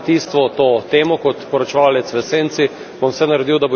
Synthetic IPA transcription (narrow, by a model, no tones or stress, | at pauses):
t̪iːst̪ʋɔt̪oːt̪eːmɔkɔt̪pɔɾɔt͡ʃɛʋaːlɛt̪sʋɛseːnt̪si | bɔmsɛnaɾɛd̪iwd̪abo